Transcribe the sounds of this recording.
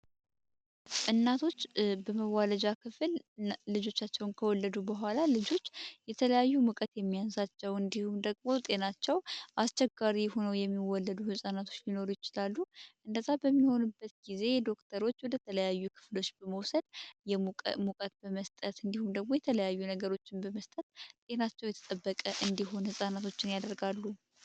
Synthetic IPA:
ʔɨnːat̪ʰo̞t͡ʃːbəməwaləd͡ʒakʰɨflːɨd͡ʒo̞t͡ʃːat͡ʃːɛwnkʰəwɔlːəd̪ubəɦʷalalɨd͡ʒo̞t͡ʃːjɛt̪ʰələjajːumukʼət̪jɛmːijansat͡ʃːɛwɨnd̪ihumd̪əɡmo̞t̪ʼe̞nat͡ʃːɛwʔast͡ʃːɛɡaɾiho̞nəwjɛmːiwɔlːəd̪uhɨsʼanat̪ʰo̞t͡ʃːlino̞ɾujɪt͡ʃɪlalːuʔɨnd̪əzabəmːiho̞nubːət̪ɡize̞jɛd̪o̞kt̪ʰəɾo̞t͡ʃːwɔd̪ət̪ʰələjajːukʰɨ̥flo̞t͡ʃːbəməwsəd̪̥jɛmukʼət̪̚bəməst̪ʼət̪ɨnd̪ihumd̪əɡ̚mo̞jɛt̪ʰələjajːunəɡəɾo̞t͡ʃːɪnbəməst̪ʼət̪t̪ʼe̞nat͡ʃːɛwjɛt̪ʰə̥t̪ʼəbːəkʼəʔɨnd̪iɦo̞nhɨsʼanat̪ʰo̞t͡ʃːɪnjad̪əɾɡalːu

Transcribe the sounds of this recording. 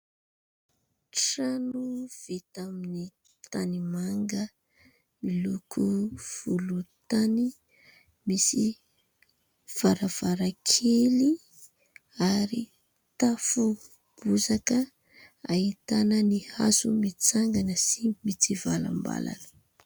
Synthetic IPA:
ʈ͡ʂanuv̥et̪amini | t̪animaŋɡə | milukʰuv̥ulut̪ani | misi | v̥aɾav̥aɾakʰeli | aɾi | t̪afu | b̥uzakə | ait̪anəniha̰sumit͡saŋɡanəsimit͡sivala̰mba̰la̰nə̥

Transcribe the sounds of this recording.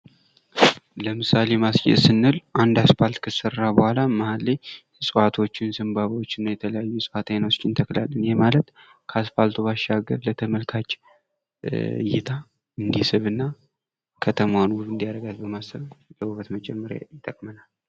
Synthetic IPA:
ləmɨsalemasjɛ̰t̪sɨnːɨlʔand̪aspalt̪kʰɨsərːabəhʷalaməhalːe | sʼwat̪ʰo̞t͡ʃːɪnsɨmbaβwot͡ʃːɪnjɛt̪ʰələjajːusʼfat̪ʰajnast͡ʃːɪnt̪ʰəkla̰lːənjɛmalət̪ | kʰəaspalt̪ʰuβaʃːaɡəɾlət̪ʰəməlkʰat͡ʃː | jɪt̪ʰa | ɨnd̪isɨβɨnːa | kʰət̪ʰəmawonwuɾɨnd̪ijaɾəɡat̪bəmasəβləuβət̪mət͡ʃʼɛmːəɾa̰jɪt̪ʼəkʼmənal

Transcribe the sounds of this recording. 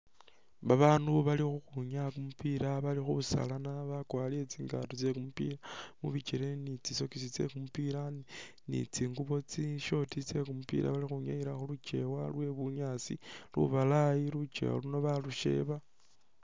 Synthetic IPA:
βaβaːnduβalixuxuɲakumupiɾaβalixuβusa̰lanaβakwaːliet͡siːŋɡa̰tot͡sekumupḭɾamṵβit͡ʃeɾenit͡siso̞kisit͡sḛkumupiɾa | nḭt͡siːŋɡuβo̞t͡siʃo̞tit͡se̞kumupḭɾʔa̰βalixuɲajiɾaxulut͡ʃe̞̰walwe̞βuɲaːt͡sḭlṵβalajilut͡ʃḛwa̰luno̞βaluʃe̞̰βa

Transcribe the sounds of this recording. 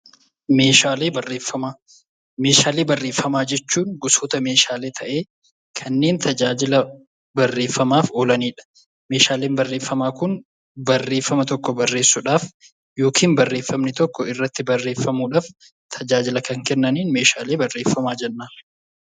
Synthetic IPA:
me̞ːʃaːleːbɐrːe̞ːfːɐmaː | meːʃaːleːbɐrːe̞ːfːɐmaːd͡ʒɛt͡ʃːuːnɡʊsoːt̪ɐme̞ːʃaːleːt̪ʰɐʔe̞ː | kʰɐnːeːnt̪ʰɐd͡ʒaːd͡ʒɪlɐ | bɐrːe̞ːfːɐmaːfoːlɐniːᶑɐ̥ | me̞ːʃaːleːnbɐrːe̞ːfːɐmaːkʊn | bɐrːe̞ːfːɐmɐt̪ɔkːɔbɐrːe̞ːsːʊᶑaːf | jo̞ːkʰiːnbɐrːeːfːɐmnɪt̪ɔkːɔɪrːɐt̪ːɪbɐrːe̞ːfːɐmuːᶑaːf | t̪ʰɐd͡ʒaːd͡ʒɪlɐkɐŋkɛnːɐniːnme̞ːʃaːleːbɐrːe̞ːfːɐmaːd͡ʒɛnːaː

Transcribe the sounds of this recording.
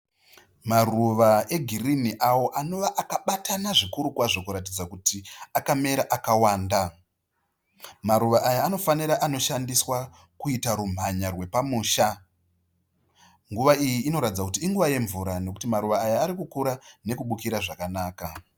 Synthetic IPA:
maruʋae̞ɡʱiriniʔawo̞ʔano̞ʋaʔakaɓatʰanaʐikuɾukwaʐo̞kuɾat̬id͡zakutiakame̞ɾaʔakawaːnda | maɾuʋaʔajaːno̞faniɾaʔano̞ʃandiswa | kuitaɾum̤aɲarwe̞pamuːʃa | ŋɡuʋaijiːno̞ɾatid͡zakutiːŋɡuʋaje̞ɱvuɾano̞kutimaɾuʋaːjaːɾikukuɾane̞kuɓukiɾaʐakanaːka

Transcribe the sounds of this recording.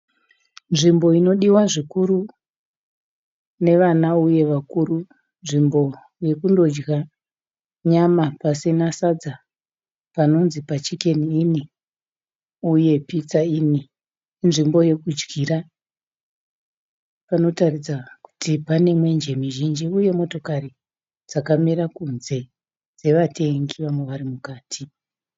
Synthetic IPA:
nʐimbo̞ino̞ɗiwaʐikuru | ne̞ʋanauje̞ʋakuru | nʐimbo̞ | je̞kundo̞d͡ʒɡa | ɲamapasinasad͡za | pano̞nzipat͡ʃike̞niːni | uje̞pit͡saiːni | nʐimbo̞je̞kud͡ʒɡiːra | pano̞tarid͡zaku̥tipane̞mwe̞nd͡ʒe̞miʒind͡ʒiuje̞mo̞to̞kari | d͡zakamiɾakunze̞ | d͡ze̞ʋatʰe̞ŋɡiʋamweʋaɾimukaːtʰi

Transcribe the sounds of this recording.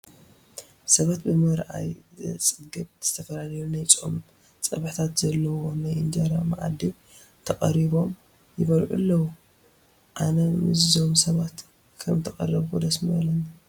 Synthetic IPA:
sɐβat̪̚bɨmɐɾʔa̰jzt͡sʼɨɡɨβz̥ɨ̥t̪ʰɐfɐlalɐjunajt͡sʼo̰m | t͡sʼɐβħt̪ʰat̪zɐlːɐwo̞najʔɨnd͡ʒaɾamaʔa̰d̪im | t̪ʰɐkʼɐ̰ɾiβo̞m | jɪβɐlħṵlːɐwu | ʔanɐmɨzːo̞msɐβat̪ | kʰɐmt̪ʰɐxʼɐ̰rɐβkʰod̪ɐsmɐlɐn

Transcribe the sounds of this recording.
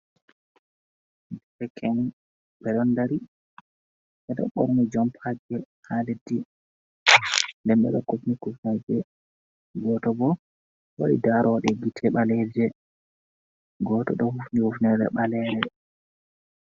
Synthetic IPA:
dɛɛkʰɛn | bɛɗɔndaɾi | ɓɛɗɔ̰ɓɔ̰ɾnid͡ʒɔmpʰad͡ʒɛhaledi | ndɛmɓɛ̰ɗɔkufnikufnɛd͡ʒɛ | ɡɔtɔbɔ | wa̰ɗḭdaɾɔwɗɛɡitʰɛɓalɛd͡ʒɛ | ɡɔtɔ̰ɗɔhufnihufnɛɾɛ̰ɓalɛɾɛ

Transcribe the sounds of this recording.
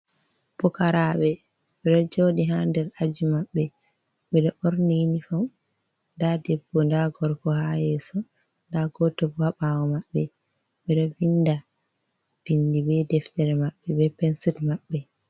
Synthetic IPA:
b̥ɔkaɾaɓɛ | ɓɛɗɔd͡ʒoːɗiɦandɛɾad͡ʒimaɓːɛ | ɓɛɗɔʔoɾninifɔm | ndadɛbːɔndaɡɔɾkɔhajɛsɔ | ndaɡɔtɔbɔhaɓawɔmaɓːɛ | ɓɛɗɔvinːda | b̥indibɛdɛftɛɾɛmaɓːɛbɛpɛnsitmaɓːɛ

